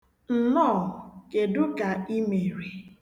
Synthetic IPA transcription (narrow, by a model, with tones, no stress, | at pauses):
n̩˨nɔː˦˨ke˨dʊ˦ka˨i˦me˨ɾe˨